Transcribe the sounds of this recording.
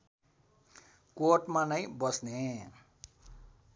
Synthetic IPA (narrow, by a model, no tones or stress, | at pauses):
koʈmanʌjbʌsne